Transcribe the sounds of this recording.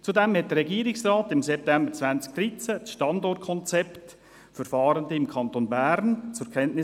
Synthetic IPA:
t͡sudɛmhɛt̚dəɾːɛɡiːɾɪksraːtɪmsɛp̚tɛmbəɾt͡svænt͡sk̚d̥ɾit͡səʃtɑndɔɾt̚kʰɔnt͡sɛpt | fəɾfɑːɾəndəɪmkʰɑntonbæɾnt͡sʊɾkʰɛntnɪ

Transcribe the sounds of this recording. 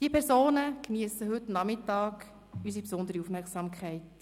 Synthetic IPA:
d̥iəpʰɛɾsoːnəkniəsəɦʏtnɑmɪtːɑːk | ysipsʊnd̪əɾiufmɛɾksɑmkʰχɛɪt

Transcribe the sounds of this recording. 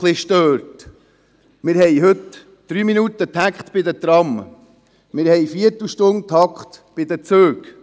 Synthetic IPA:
lɪʃtøːɾt | mɪːɾhɛjɦɵt̪ | d̪̥ɾyːminut̪ət̪ʰækχt̪b̥ɪd̪ət̪ɾɑm | mɪːɾhɛjfiətl̩ʃtʊnt̪ʰɑkχt̪b̥ɪd̪ət͡søːk

